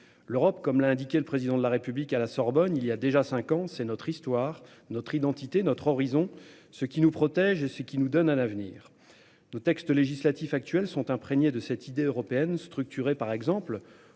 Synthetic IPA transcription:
løʁɔpkɔmlaɛ̃d̪ikʲɛləpχezid̪ɑ̃d̪əlaʁepyblikalasɔʁbɔniliad̪eʒasɛ̃kɑ̃sɛnɔt̪χist̪waːʁ | nɔt̪χid̪ɑ̃t̪it̪enɔt̪χɔʁizɔ̃ | səkʲinupχɔt̪ɛʒesəkʲinud̪ɔnanavnḭːʁ | not̪ɛkst̪leʒislat̪ifak̚t̪ɥɛlsɔ̃t̪ɛ̃pχeɲed̪əsɛt̪ʰid̪eøʁɔpeɛnst̪χyk̚t̪yʁepaʁɛɡzɑ̃pl

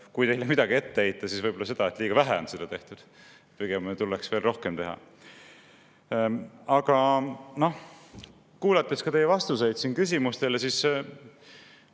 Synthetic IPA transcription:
kujt̪e̞jlemid̪̥ɑɡie̞t̪ːeejt̪ːˑɑsisvɤjbo̞lːɑse̞d̪ɑet̪liːɡ̥ɑvæɦæo̞nsed̪ɑt̪e̞ht̪ud̪̥ | piɡ̥emt̪uleksveːlro̞hkemt̪e̞ɦɑ̰ | ɑɡ̥ɑno̞h | kuːlɑt̪ːˑeskɑt̪e̞jɛvɑst̪use̞jd̪̥sinkysʲimust̪e̞lesis

